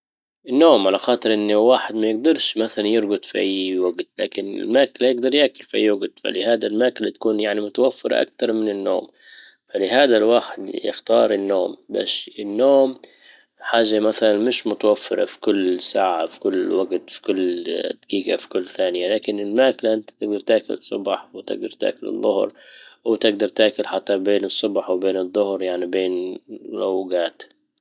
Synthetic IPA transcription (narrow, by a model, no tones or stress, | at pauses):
ʔɪnːoːmʕalaxɑːt̪ˤɨɾˤʔɪnːwaːħɪd̪majɪɡ̚d̪ɑɾˤʃmaθalanjɪɾɡʊt̪ˤfiʔajːwaɡt̪laːkɪnɪ̰lmaːklajɪɡ̚d̪ɑɾˤjaːkʊlfiʔajːwaɡt̪fa̰lɪhaːd̪almaːkɪlat̪ḁkuːnjaʕnimʊt̪awafːɪɾˤɑ̰ʔa̰k̚t̪ɑɾˤmɪnɪnːo̰ːm | falɪɦaːd̪alwaːħɪd̪jɪ̰xt̪ɑːɾˤɪnːoːmba̰ːʃɪnːoːm | ħaːʒːamaθalanmɪʃmʊt̪awafːɪ̰ɾˤɑ̰fi̥kʊlːsaːʕafi̥kʊlːwaɡt̪fi̥kʊlːd̪kiːkafi̥kʊlːθaːnɪjalaːkɪnɪlmaːklaʔɪnt̪ḁt̪ɪɡ̚d̪ɑɾˤt̪aːkʊ̰lsˤːʊ̰bħwɪt̪ɪ̰ɡ̚d̪ɑɾˤt̪a̰ːkʊlɪ̰ðˤːʊhɾwt̪ɪɡ̚d̪ɑɾˤt̪aːkʊlħat̪ːabeːnɨsˤːʊbħwbeːnɨðˤːʊhɾjaʕnibeːnnawɡaːt̪